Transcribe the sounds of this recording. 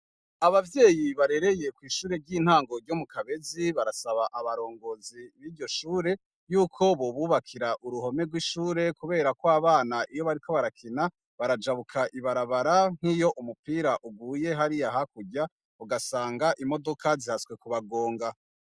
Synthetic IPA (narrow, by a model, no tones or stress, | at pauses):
aβavje̞ːjiβaɾe̞ɾe̞je̞kwiːʃuːɾe̞ɾɟiːn̥haːŋɡo̞ɾɟomukʰaβe̞ziβaɾasaβaʔaβaɾo̞ːŋɡo̞ziβiːɾɟo̞ʃuːɾe̞ | juːkʰo̞βo̞βuːβakʰiɾaʔuɾuɦo̞meɡwiʃuːɾe̞kuβe̞ːɾakwaβaːnaʔijo̞βaɾiko̞βaɾakʰina | βaɾad͡ʒaβukʰaʔiβaɾaβaɾaŋ̥hijo̞ʔumupiːɾaʔuɡuːje̞ɦaɾiaɦakuɟa | uɡasaːŋɡaʔimo̞do̞kʰazihaswe̞kuβaɡo̞ːŋɡa